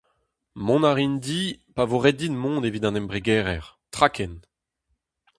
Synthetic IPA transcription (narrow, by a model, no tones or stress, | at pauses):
mɔ̃naʁind̪ipavoʁɛd̪inmɔ̃ːd̪evid̪ɑ̃nɛmbʁeɡɛːʁɛʁt̪χakɛn